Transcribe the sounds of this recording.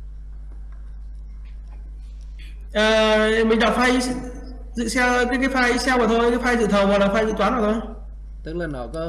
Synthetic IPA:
ʔəː˨˩mï˨˩ŋɗa˨˩k͡p̚fa˧j | zɨ̰˧˨sɛ˧wka˨˦kaː˨˦faː˧jʔi˨˦sɛ˧wvaː˨˩t̪ʰo˧jkaː˨˦jfaː˧jzɨ̰˧˨t̪ʰə˨˩wvɔ˨˩jlaː˨˩fa˧jzɨ̰˧˨t̪aː˨˦nvaː˨˩t̪ʰo˧j | t̪ɨ˦˥k̚laː˨˩nɔ˧˩k

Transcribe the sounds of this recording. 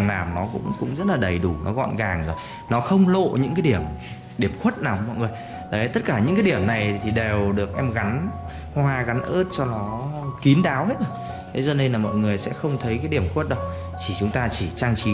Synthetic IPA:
mnaː˨˩wnɔ˨˦kʊ̰˧˥ŋ͡mkʊ̰˧˥ŋ͡mzə˦˥t̚laː˨˩ɗə˨˩jɗu˧˩nʔɔ̰˨˦ɣɔ̰˧˨nɣaː˨˩ŋzo˨˩j | nɔ˨˦xə˧wŋ͡mlo̰˧˨ɲɨ̰˧˥ŋkaː˨˦jɗi˧˩əm | ɗi˧˩əmxwə˦˥t̚naː˨˩wmɔ̰˧˨ŋə˨˩j | t̪ə˨˦˨t̪ə˦˥t̚kaː˧˩ɲɨ̰˧˥kaː˨˦jɗi˧˩əmna˨˩jt̪ʰi˨˩ɗe˨˩wɗɨ˨˩ək̚ʔɛ˧mɣa˨˦n | hwaː˧ɣa˨˦nʔəː˦˥t̚t͡ɕɔ˧nɔ˨˦ki˨˦nɗaː˨˦whe˦˥t̚ʔə˧˩ | t̪ʰe˨˦zɔ˧˩ne˧nlaː˨˩mɔ̰˧˨jŋɨ˨˩əjsɛ̰˧˥xə˧wŋ͡mt̪ʰə˨˦jkaː˨˦jɗi˧˩əmxwə˦˥t̚ɗə˨˦w | t͡ɕi˧˩t͡ɕʊ˨˦ŋ͡mt̪aː˧t͡ɕi˧˩t͡ɕaː˧ŋt͡ɕi˧˦

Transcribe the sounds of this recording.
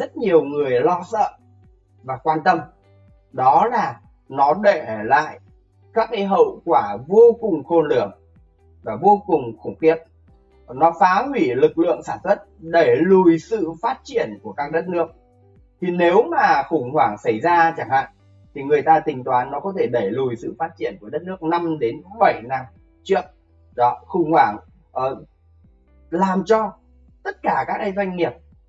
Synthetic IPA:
zə˦˥t̚ɲi˨˩əwŋɨ˨˩əjlɔ˧sə̰ː˧˨ | vaː˨˩kwaː˧nt̪ə˧m | ɗɔ˨˦laː˨˩ | nɔ˨˦ɗe˧˨la̰ː˧˨j | kaː˦˥k̚ka˨˦jɦə̰˧˨wkwaː˧˩vo˧kʊ˨˩ŋ͡mxo˧nlɨ˧˩əŋ | vaː˨˩vo˧kʊ˨˩ŋ͡mxʊ˧˩ŋ͡mxi˦˩ət̚ | nɔ˨˦faː˨˦ɦwi˧˩lɨ˨˩k̚lɨ̰˧˨əŋsaː˧˩nswə˦˥t̚ɗe˧˩lu˨˩jsɨ̰˧˨faː˦˥t̚t͡ɕi˧˩ənku˧˩əkaː˦˥k̚ɗə˦˥t̚nɨ˦˥ək̚ | t̪ʰi˨˩ne˨˦wmaː˨˩xʊ˧˩ŋ͡mhwaː˧˩ŋsə˧˩jzaː˧t͡ɕa˧˩ŋha̰ː˧˨ŋ | t̪ʰi˨˩ŋɨ˨˩əjt̪aː˧t̪ï˨˩ŋ̟t̪waː˨˦nːɔ˨˦kɔ˨˦t̪ʰe˧˩ɗə˧˩jlu˨˩jsɨ̰˧˨faː˦˥t̚t͡ɕi˧˩ənku˧˩əɗə˦˥t̚nɨ˦˥ək̚na˧mɗe˨˦nɓə˧˩jna˧m | t͡ɕi˦˧˥ək̚ | zɔ˨˦xʊ˨˧˩ŋ͡mhwaː˧˩ŋ | ʔəː˨˩ | laː˨˩mt͡ɕɔ˧ | t̪ə˦˥t̚kaː˧˩kaː˦˥k̚ɗjzwa˧jŋ̟ŋi˨˩əp̚

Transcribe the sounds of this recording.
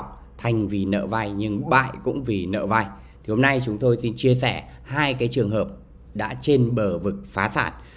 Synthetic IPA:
k͡p̚ | t̪ʰa˨˩jŋ̟vi˨˩nə̰ː˧˨va˧jɲɨ˧ŋɓa̰ː˧˨jkʊ̰˧˥ŋ͡mvi˨˩nə̰ː˧˨va˧j | t̪ʰi˨˩ho˧mna˧jt͡ɕʊ˨˦ŋ͡mt̪o˧jsi˧nt͡ɕi˧əsɛ˧˩ | haː˧jkaː˨˦jt͡ɕɨ˨˩əŋɦəː˨˩p̚ | ɗa̰ː˧˥t͡ɕe˧nɓəː˧˩vɨ˨˩k̚faː˨˦sa̰ː˧˩n

